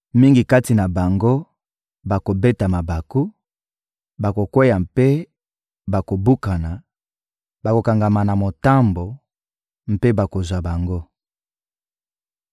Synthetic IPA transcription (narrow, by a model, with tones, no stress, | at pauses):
mi˦ŋɡi˨ka˦ti˨na˨ba˨ŋɡo˦ | ba˨ko˨be˦ta˨ma˨ba˨ku˦ | ba˨ko˨kwe˦ja˨mpe˦ | ba˨ko˨bu˦ka˨na˨ | ba˨ko˨ka˨ŋɡa˨ma˨na˨mo˨ta˦mbo˨ | m̩˦pe˦ba˨ko˨zwa˨ba˨ŋɡo˦